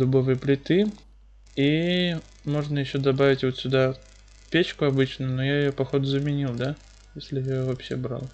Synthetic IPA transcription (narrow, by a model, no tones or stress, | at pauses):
d̪ʊbovɨjəplʲɪt̪ɨ | i | mo̞ʐnəjɪɕːo̞d̪ɐbavʲɪtʲvo̞t̪sʲʊd̪a | pʲet͡ɕkʊɐbɨt͡ɕnənojaɪjopɐxo̞d̪ʊzəmʲɪnʲilˠd̪a | jesʲlʲɪjavɐpɕːebɾa̰lˠ